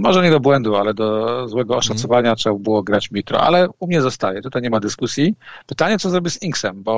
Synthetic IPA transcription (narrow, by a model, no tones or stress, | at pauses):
mɔʐɛɲɛd̪ɔbwɛnd̪ualɛd̪ɔzwɛɡɔːʂat̪sɔvaɲatʂɛbɘwɔɡɾat͡ɕmʲit̪ɾɔ̰a̰lɛumɲɛzɔst̪ajɛt̪ut̪ajɲɛmad̪ɘskusʲjipɘt̪aɲɛt̪sɔzɾɔbʲɛziŋksɛmbɔ